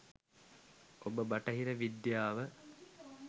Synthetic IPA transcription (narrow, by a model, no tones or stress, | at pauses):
obəbaʈəɦiɾəʋid̪jaːʋə